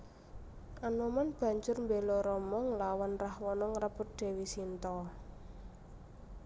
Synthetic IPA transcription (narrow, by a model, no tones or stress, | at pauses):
ʔanɔmanb̥ä̤ɲd͡ʒʊrmbelɔɾɔmɔŋlawanrahwɔnɔŋɾəpʊt̪̚d̪̥e̤wisint̪ɔ